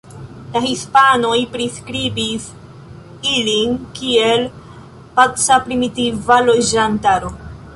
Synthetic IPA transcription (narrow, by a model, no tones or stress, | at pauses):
lahispano̞jpɾiskɾibis | ilinkie̞l | pat͡sapɾimitivalo̞d͡ʒantaɾo̞